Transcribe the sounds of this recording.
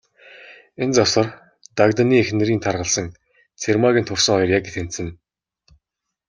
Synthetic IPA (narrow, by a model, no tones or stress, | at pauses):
ent͡sɔsə̆r | t̪akt̪aniːexnɘ̆ɾiːnt̪ʰarʁə̆ɮsə̆ŋ | t͡sʰermaɣʲiːnt̪ʰʊrsə̆ŋɔjɞ̆rjakɡĕt̪ʰen̥t̪sɘ̆n